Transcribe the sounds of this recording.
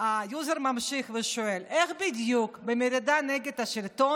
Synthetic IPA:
ajuzeɾmamʃiχveʃoeleχbid̪jukbemeɾid̪anɛɡed̪aʃilt̪o

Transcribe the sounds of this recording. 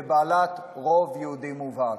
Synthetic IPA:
baːlat̪ | ʁovjeud̪imuva

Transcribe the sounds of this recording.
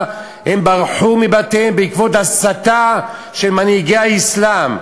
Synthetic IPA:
hembaʁħumibat̪embeikvot̪hasat̪a | ʃelmaniɡeaislam

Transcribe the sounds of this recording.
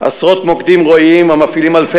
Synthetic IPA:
a̰sʁot̪mokd̪imʁoimamafilimalfe

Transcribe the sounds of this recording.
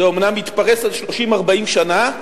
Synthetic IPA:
eomnamit̪paʁesalʃlo̞ʃimaʁbaimʃana

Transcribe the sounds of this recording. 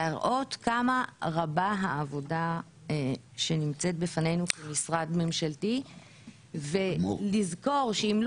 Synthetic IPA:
aʁʔo̞tkamaʁabaɦaːvo̞da | ʃenimt͡set̚befane̞jnukemisʁadme̞mʃalti | velizko̞ʁʃeiml

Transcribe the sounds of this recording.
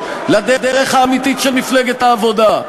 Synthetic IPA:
lad̪ed̪eʁeχhaːmit̪itʃelmifleɡet̪aːvo̞d̪a

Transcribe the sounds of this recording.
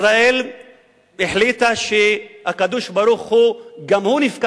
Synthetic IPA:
ɾael | eħlit̪aʃeakad̪uʃbɐɾuxhuɡamhunifka

